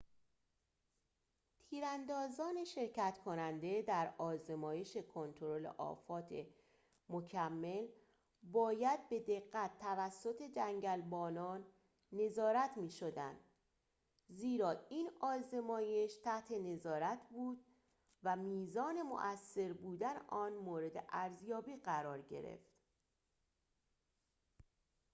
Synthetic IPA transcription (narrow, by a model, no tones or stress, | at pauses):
t̪ʰiːɾænd̪ɒːzɒːne̞ʃe̞ɾcæt̪kʰo̞nænd̪e̞d̪æɾɒːzemɒːje̞ʃe̞kʰo̞nt̪ʰoɾo̞le̞̰ʔɒ̰ːfɒːt̪ʰe̞̰ | mo̞cʰæmːe̞l | bɒːjæd̪̚be̞d̪e̞ɣːæt̪ʰːævæsːo̞t̪ʰe̞d͡ʒæŋɟælbɒːnɒːnː | e̞zɒːɾæt̪ʰmiːʃod̪ænd̪̥ | ziːɾɒːiːnɒːze̞mɒːje̞ʃt̪ʰæht̪ʰe̞ne̞zɒːɾæt̪ʰbuːd̪ | væmiːzɒːne̞mo̰ʔæsːe̞ɾbuːd̪æneʔɒːnmoːɾe̞d̪eʔæɾzjɒːbiːɢæɾɒːɾɟe̞̰ɾe̞̰ft̪